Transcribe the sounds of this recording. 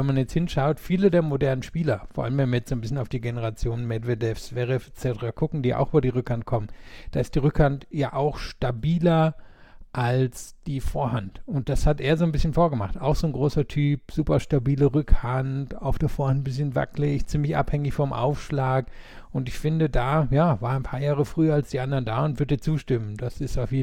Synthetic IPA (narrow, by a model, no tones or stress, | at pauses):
vɛnmanjɛt͡sthɪnʃaʊtfiːlədeːɐmodɛɐnənʃpiːlɐfoːɐʔa̰ləmvɛnviɐjɛt͡sz̥oːnbɪsçənaʊfd̥iːɡenəʁ̞at͡sjoːnənmɛdvedɛfsv̥ɛʁɛfɛt͡sɛtəʁakʰʊkŋ̩dḭːʔa̰ʊxʔyːbɐdiːʁ̞ʏkhant̚kʰɔmənd̥aːɪstd̥iːʁʏkhantjaːʔaʊxʃtabiːlɐ | ʔalsd̥iːfoːɐɦantʊnt̚d̥ashatʔeːɐzoːnbɪsçənfoːɐɡəmaχtʔaʊxz̥oːnɡʁoːsɐtʰyːpz̥uːpɐʃtabiːləʁʏkhanta̰ʊfd̥eːɐfoːɐhantn̩bɪsçənva̰klɪçt͡siːmlɪçʔa̰phɛŋɪçfɔmʔa̰ʊfʃlaːk | ʔʊntɪçfɪndədaːjaːvaːɐaɪnpʰaːɐjaːʁəfʁ̥yːɐalsd̥iːʔandɐndaːʊntv̥ʏɐtd̥iːɐt͡suːʃtɪməndasɪstaʊfjeː